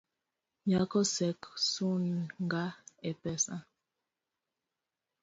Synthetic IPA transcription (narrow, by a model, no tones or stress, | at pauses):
ɲakɔsɛksunŋɡaɛpɛsã